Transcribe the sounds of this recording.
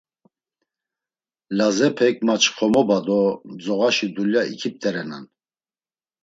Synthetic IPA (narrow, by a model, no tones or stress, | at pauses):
lazɛpʰɛk̚mat͡ʃʰχɔmɔbad̪ɔd͡zɔɣaʃid̪uljaḭkʰip̚t̪ʰʼɛɾɛna̰n